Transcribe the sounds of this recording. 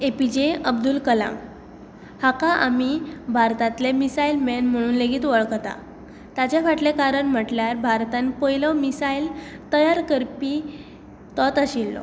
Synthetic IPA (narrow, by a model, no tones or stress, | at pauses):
epid͡ʑeəbd̪ulkəla̰m | hakaʔa̰mibʱaɾt̪ãt̪lemisailmenm̤əɽ̃uːnleɡiːt̪ʋəɭkt̪a̰ | t̪at͡ɕjafaʈlekaɾəɳm̤əʈljaɾbʱaɾt̪anepəjləmisailt̪əjaɾkəɾpi | t̪ɔt̪aɕilːɔ̰